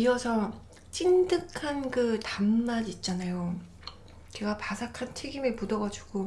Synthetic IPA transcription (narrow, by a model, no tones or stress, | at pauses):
iʌsʰʌ | t͡ɕ͈indɯkʰankɯtamːaɾiːt̚t͡ɕ͈anajo | keɡapasʰakʰant͡ɕʰe̞ɡimepudʌɡad͡ʑuɡ̥o